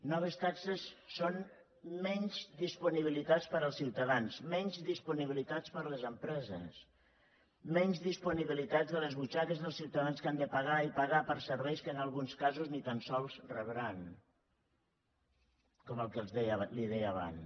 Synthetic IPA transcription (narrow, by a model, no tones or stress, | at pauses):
nɔβ̞əst̪aksəsːon | mɛɲzd̪ispuniβilit̪at͡spəɾəlˠsiwt̪aðansmɛɲzðispuniβilit̪at͡spəɾləzəmpɾɛzə̰s | mɛɲzðispuniβilit̪azðələzβut͡ʃakəzðəlˠsiwt̪aðanskand̪əpaɣaipaɣapəɾsəɾβɛjskənəlˠɣunskazuznit̪ansɔlˠzrəβɾan | kɔməlˠkəlˠzðɛjliðɛjaβa̰n